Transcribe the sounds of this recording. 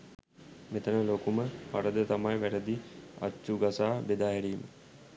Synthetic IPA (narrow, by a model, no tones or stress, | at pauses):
met̪ənəlokuməpaɾəd̪ət̪amajʋæɾəd̪ia̰t͡ʃːuɡasaːbed̪aːɦɛɾiːmə̰